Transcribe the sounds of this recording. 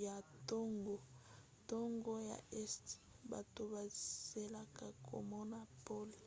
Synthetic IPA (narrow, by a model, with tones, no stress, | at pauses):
ja˨to˦ŋɡo˦ | to˦ŋɡo˦ja̰˨ʔɛ˦st | ba̰˨to˨ba˨z̥e˨la˨ka˨kʰo̰˨mɔ˦na˦po˦li˨